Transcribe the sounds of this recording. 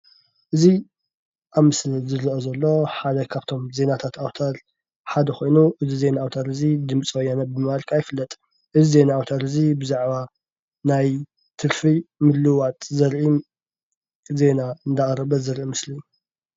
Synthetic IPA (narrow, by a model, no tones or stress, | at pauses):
ʔɨzi | ʔaβmɨslizɨɾiʔozɐlːo̞ħad̪ɐkʰaβt̪ʰo̞mze̞nat̪ʰat̪ʰawt̪ʰaɾ | ħad̪ɐxʰo̞jnuʔɨzize̞naːwt̪ʰaɾɨzid̪ɨmt͡sʼwɔjːanɐbɨmalkʼajɪfɨlːɐt̪ʼ | ʔɨzize̞naːwt̪ʰaɾɨzibɨzaʕβa | naj | t̪ʰɨɾfimɨd̪lɨwat̪ʼzɐɾʕi | ze̞naɨnd̪aχʼɾɐβɐzɨɾʕimɨsliu